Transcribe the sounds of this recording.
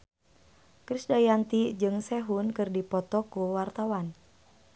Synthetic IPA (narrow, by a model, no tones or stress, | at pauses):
kɾisdajant̪id͡ʒɨŋsɛɦunkɨrdipɔt̪ɔkuwart̪awan